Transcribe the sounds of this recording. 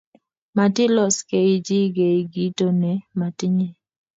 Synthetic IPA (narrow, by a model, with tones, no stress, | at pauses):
ma˨tɪ˦lɔ˦ske˨ɪ˦d͡ʒi˦ɡe˨i˨ɡi˦to˦nɛ˨ma˨tɪ˦ɲe˨